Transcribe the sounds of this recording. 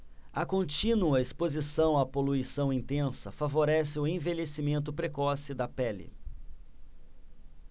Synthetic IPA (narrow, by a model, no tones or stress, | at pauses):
ɐkõnt͡ʃĩnuɐespozisɐ̃w̃apoluisɐ̃w̃ĩnt̪ẽsɐfavoɾɛsɪʊẽvelesimẽnt̪̬ʊpɾekɔsɪd̪ɐpɛlɪ̰